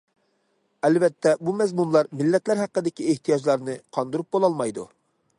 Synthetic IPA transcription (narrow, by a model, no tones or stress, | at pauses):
ɛlvɛt̪ʰːɛbumɛzmunlˠɑɾmilːɛt̪læɾɦæqːəd̪ɪkʲieht̪ʰijɑd͡ʒlˠɑɾnɨqʰɑnd̪uɾup̚bolˠɑlˠmɑjd̪ṵ